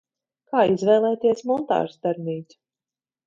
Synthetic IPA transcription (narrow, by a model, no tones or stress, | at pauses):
kaːizvɛːlˠɛːt̪iɛsmɔnt̪a̰ːɾst̪ɛɾniːt̪ʲ